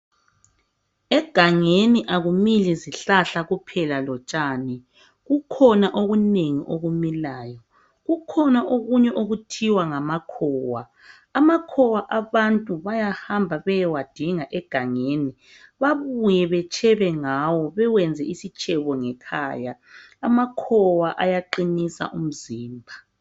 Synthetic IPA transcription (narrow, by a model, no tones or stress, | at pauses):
ɛɡ̥ʱaŋeniʔaɣumiliziɬaɬaɣupʰɛlalɔt͡ʃʼaːnɛ | ɣukʰɔnaʔoɣuneŋḭʔoɣumilaːjɔ | ɣukʰɔnaʔoɣuɲɛʔoɣutʰiwaŋamakʰɔːwa | amakʰɔwaʔaβantʼuβajahambʱaβɛjɛwad̥ʱiŋaʔɛɡ̥ʱaŋeːni | βaβujɛβɛt͡ʃʼʰɛβɛŋawɔβɛwɛnd͡zʱɛʔisit͡ʃʼɛβɔŋɛkʰa̰jaː | makʰɔwaʔajaǃinisa̰ʔum̩ziːmbʱa